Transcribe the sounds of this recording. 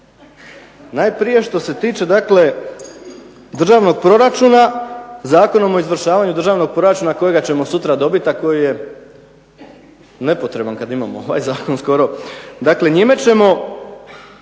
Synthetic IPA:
naːjpɾije̞ʃt̪o̞se̞t̪iːt͡ʃe̞d̪akle̞ | d̪r̩ʒaːʋno̞ɡ̚pɾo̞ɾat͡ʃuːnazaːko̞nomo̞izʋr̩ʃaːʋaɲud̪r̩ʒaːʋno̞ɡ̚pɾo̞ɾat͡ʃuːnako̞jeɡat͡ɕe̞mo̞sut̪ɾad̪o̞bit̪ako̞jije̞ | ne̞po̞t̪ɾe̞bankad̪imamooʋa̰jzaːko̞nsko̞ɾo̞d̪akle̞ɲimet͡ɕe̞mo̞

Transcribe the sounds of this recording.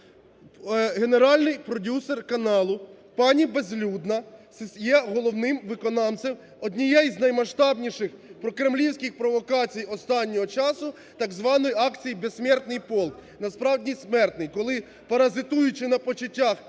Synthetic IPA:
ɦe̞ne̞ɾɑlʲnɪjpɾɔdʲuserkɐnɑlˠʊ | pɑnʲibezlʲud̪nɐsɪsjɛɦɔlˠɔwnɪmʋɪkɔnɑnt͡s̪ʲem | ɔdʲnʲijɛjznɐjmɐʃt̪ɑbnʲiʃɪxpɾɔkɾemlʲiwsʲkʲɪxpɾɔʋɔkɑt͡sʲijɔst̪ɑnʲːɔɦɔt͡ʃɑsʊ | t̪ɑɡzʋɑnɔjɑkt͡sʲijibesʲsʲmʲɛrt̪nɪjpɔlˠknɐspɾɑwdʲismɛrt̪nɪjkɔlˠɪ | pɐɾɐzɪt̪ujʊt͡ʃɪnɐpɔt͡ʃʊtʲːax

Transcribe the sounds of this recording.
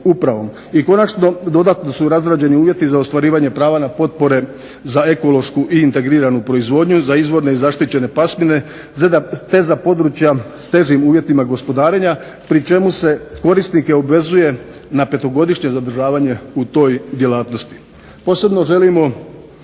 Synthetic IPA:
upɾaʋo̞m | iko̞nat͡ʃno̞d̪o̞d̪at̪no̞suɾazɾad͡ʑe̞niuːʋje̞t̪izaost̪ʋaɾiːʋaɲe̞pɾaːʋanapo̞t̪̚po̞ɾe̞ | zae̞ko̞lo̞ʃkuʔiːnt̪e̞ɡɾiːɾanupɾo̞izʋo̞ːd̪ɲuzaizʋo̞ɾne̞izaʃt̪it͡ɕe̞ne̞pasmine̞ | zed̪at̪e̞zapo̞d̪ɾut͡ɕjast̪e̞ʒimuːʋje̞t̪imaɡo̞spo̞d̪aːɾe̞ɲa | pɾit͡ʃe̞muse̞ko̞ɾist̪nike̞o̞bʋe̞zuje̞ | nape̞t̪o̞ɡo̞d̪iʃɲe̞zad̪ɾ̩ʒaːʋaɲe̞ut̪o̞ːjd̪je̞laːt̪no̞st̪i̥ | po̞ːse̞bno̞ʒe̞limo̞

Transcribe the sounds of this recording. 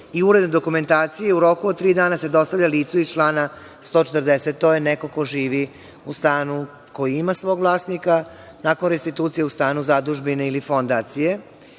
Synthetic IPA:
iuɾed̪ned̪okume̞nt̪aːt̪sijeuɾo̞kuod̪̚t̪ːɾiːd̪aːnase̞d̪o̞st̪avʎʲaliːt̪suit͡ʃlˠaːna | st̪o̞ːt͡ʃet̪ərd̪eset̪ːojeneko̞ko̞ʒiːʋi | ust̪aːnu | ko̞jiimasʋoːɡʋlˠaːsnika | nakonɾest̪it̪uːt̪sije̞ust̪aːnuzad̪uʒbineilifo̞nd̪aːt̪sije̞

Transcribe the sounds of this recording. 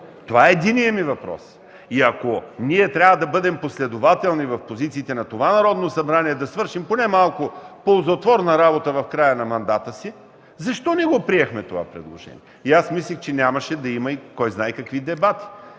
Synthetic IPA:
t̪ovaɛːd̪inijəmivɐpɾɔ̰s | iɐkoniɛt̪ɾʲavəd̪ɐbɤd̪ɛmposlɛd̪ovat̪ɛlˠnivɐfpozit̪siːt̪ɛnɐt̪ovanɐɾɔd̪nosɐbɾaniɛd̪ɐsvɤɾʃimponɛmalˠkʊpolˠzot̪vɔɾnɐɾabot̪əvɐfkɾajənɐmɐnd̪at̪əsi | zɐʃt̪ɔnɛɡopɾiɛxmɛt̪ova̰pɾɛ̰d̪lˠo̰ʒɛ̰niɛiasmislʲixt͡ʃɛnʲamɐʃɛd̪ɐimɐikɔjznajkɐkvid̪ɛbat̪i̥

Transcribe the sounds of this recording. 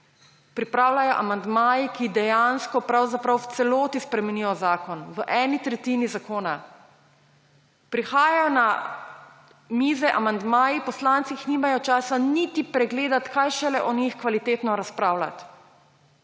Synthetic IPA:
pɾipɾaːwlajɔʔamand̪maːjikid̪ɛjanskɔpɾawzapɾawwt̪sɛloːt̪ispɾɛmɛnijɔzaːkɔnʋəʔɛːnit̪ɾɛt̪inizakoːna | pɾixaːjajɔna | miːzɛʔamand̪maːjipɔslant̪sixniːmajɔt͡ʃaːsanit̪ipɾɛɡleːd̪at̪kajʃɛlɛʔɔnixkʋalit̪eːt̪nɔɾaspɾaːwla̰t̪

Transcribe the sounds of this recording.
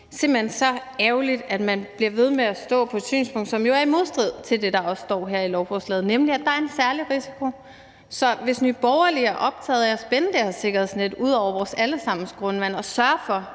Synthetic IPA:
se̝mb̥l̩ensɒ̽ɛʊlid̥æd̥mænb̥liɐʋe̝ð̞ˠmeæsd̥ɔ̰̽ːpʰɒ̽ed̥sy̰ːnspʰɔ̽ŋd̥sɒ̽mjo̝æɐimo̝ðˠsd̥ʁið̞̰ˠt͡sʰe̝ld̥e̝d̥ɑ̈ɒ̽ssd̥ɒ̰ːɦæɐ̰ilɒʊb̥ʰuslɛːð̞̩ˠnemliæd̥ɑ̈æɐensæɐliʁisi̥kʰo̝ | sɒ̽ʋe̝snyːb̥ɒʊɐliæɐʔɒ̽b̥̚t͡sʰɛ̰ːð̩ˠɒsb̥enəd̥eɐse̝ɡ̥ɐhe̝ðˠsned̥uð̞̰ˠɒʊ̰ɐɐɒsæləsɑ̈m̰n̩sɡ̥ʁɔ̽nʋæn̰ɒ̽sɶɐfɒ̽

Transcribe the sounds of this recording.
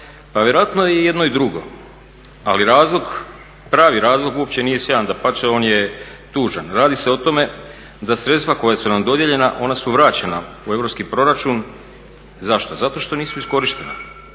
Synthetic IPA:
paʋje̞ɾoat̪no̞jeje̞d̪no̞id̪ɾuɡo̞̰ | aliɾaːzlˠo̞ɡ | pɾaːʋiɾaːzlˠoɡuo̞pt͡ɕe̞niːje̞sʋjand̪apat͡ʃeo̞ːnje̞t̪uːʒanɾaːd̪ise̞o̞t̪o̞me̞ | d̪asɾe̞t̪st̪ʋako̞jasunamd̪o̞d̪jeʎe̞naʔo̞nasuʋɾaːt͡ɕena | ue̞ʋɾo̞pskipɾo̞ɾat͡ʃun | zaʃt̪ozat̪o̞ʃt̪o̞niːsuisko̞ɾiʃt̪e̞na̰

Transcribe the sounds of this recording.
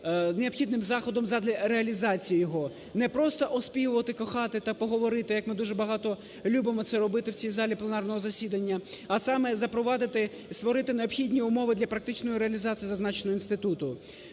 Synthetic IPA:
ne̞ɔpxʲid̪nɪmzɑxɔd̪ɔmzɐd̪lʲɐɾeɐlʲizɑt͡sʲijijɔɦɔ | nɛpɾɔst̪ɔʔɔspʲijʊʋɐt̪ɪkɔxɑt̪ɪt̪ɐpɔɦɔʋɔɾɪt̪ɪjɐkmɪd̪uʒɛbɐɦɑt̪ɔ | lʲubɪmɔt̪sɛɾɔbɪt̪ɪwt͡sʲijzɑlʲiplˠenɑrnɔɦɔzɐsʲid̪ɐnʲːɐɐsɑmɛzɐpɾɔʋɑd̪ɪt̪ɪ | st̪ʋɔɾɪt̪ɪneɔpxʲidʲnʲiʊmɔʋɪd̪lʲɐpɾɐkt̪ɪt͡ʃnɔjiɾeɐlʲizɑt͡sʲijizɐznɑt͡ʃenɔɦɔinst̪ɪt̪ut̪ʊ

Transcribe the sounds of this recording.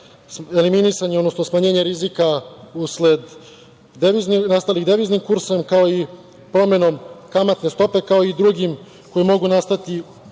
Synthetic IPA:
e̞liminisaɲeod̪nosno̞smaɲe̞ːɲeɾizikausled̪ | eʋiznnast̪aliɣd̪eʋiznimkuɾse̞mkao̞i | pɾo̞me̞no̞mkamat̪ne̞st̪o̞pe̞kao̞id̪ɾuɡim | ko̞jimo̞ɡunast̪at̪i

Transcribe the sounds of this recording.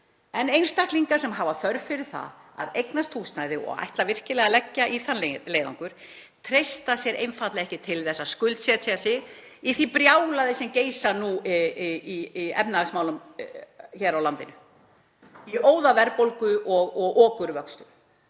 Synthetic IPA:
ɛnejnst̪ahk̪liŋkasɛmɦavaθœɾvfɪɾɪ̥θa̰a̰ðejknast̪ʰuːsnajðɪɔ̰ɣa̰jht̪lavɪr̥cɪlɛɣalɛcːaʔiθanːlelejða̰wŋkʏɾ̥ | t̪ʰɾejst̪asjɛɾʔḛjnfat̪lɛɣɛhcɪt̪ʰɪlθɛsːaskʏlt̪sɛat̪ʰːasɪ | iθipɾjaːwlaðɪsɛmceːjsanu | iiɛ̰pnaasmawlʏm | çɛɾawlant̪ɪnʏ | iʔoːwðavɛɾpowlkʏʔɔɣɔɣɔːkʏɾvœkst̪ʏ

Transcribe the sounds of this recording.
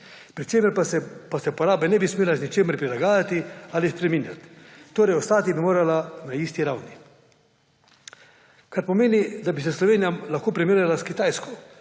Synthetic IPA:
pɾit͡ʃeːmɛɾpasɛpasɛpɔɾaːbɛnɛbismʲeːlaznit͡ʃeːmɛɾpɾilaɡaːjat̪ialispɾɛmiːnja̰t̪t̪oːɾɛjɔst̪aːt̪ibimoːɾalanaiːst̪iɾawni | kaɾpɔmeːnid̪abisɛslɔʋeːnijamlaxkoːpɾimeɾjalaskit̪ajskɔ

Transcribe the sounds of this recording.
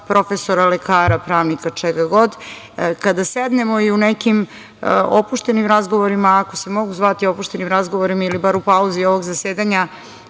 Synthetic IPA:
pɾo̞feso̞ɾalekaːɾapɾaːʋnikat͡ʂeɡaɡo̞d̪ | kad̪ased̪ne̞moiunekim | opuʃt̪e̞nimɾazɡo̞ʋo̞ɾimaːko̞se̞mo̞ɡuzʋat̪io̞puʃt̪e̞nimɾazɡo̞ʋoɾimailibaɾupauzio̞ʋoɡzaseːd̪aɲa

